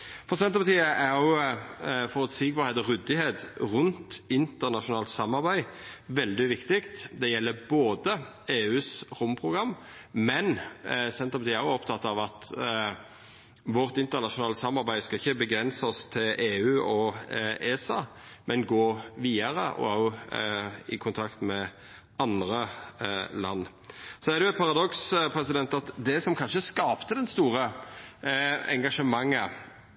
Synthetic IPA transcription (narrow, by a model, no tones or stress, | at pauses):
fɔʁsɛnt̪əpɑt̪ʰiːəʔæʁjʊ | fɔʁɔt̪sɪk̚bɑʁheːt̪ɔʁʉd̪ɪheːt̪ʁʉnt̪ɪnt̪əʁnɑʃʊnɑːlt̪sɑmːɑʁbæɪʋɛld̪ɪʋɪkt̪ɪkt̪d̪ɛjɛlːəboːd̪ə | eːʉːsʁʊmpʰʁʊɡʁɑmː | mɛnsɛnt̪əʁpɑiːæʁjʊɔpt̪ʰɑt̪ːɑʋɑt̪ | ʋɔʁt̪ɪnt̪əʁnɑʂʊnɑːləsɑmːɑʁbæɪd̪skɑɪçːəbəɡɾɛnsəɔst̪ʰɪlʔeːʉːʔɔeːsɑ | mʔɛnɡoːʋiːəɾəʔɔ̰ɑʊ | ɪkʰʊnt̪ʰɑkt̪mɛ | ɑnd̪ɾə | lɑ̰nː | sɔædɛjʊæt̪̚pʰɑʁɑd̪ɔkspʰɾɛsɪd̪ɛnt̪ɑt̪d̪ɛsɔmkʰɑnʂəskɑːpt̪əd̪ɛnst̪uːʁə | ɛ̰ŋɡɑʂəmɑŋːə